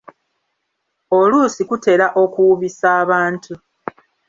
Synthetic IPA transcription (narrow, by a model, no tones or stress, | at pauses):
o̞luːsikute̞laʔo̞kuwuβisaːβaːntʰu